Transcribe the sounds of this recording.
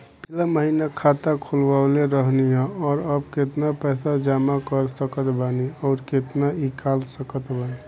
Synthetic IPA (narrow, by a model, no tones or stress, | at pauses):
pilaməɦinakʰat̪akʰulbaleɾəɦniɦɛ̃ɔɾəbket̪napɛsad͡ʒamakəɾsəkət̪baniɔːɾket̪naikalsəkət̪bani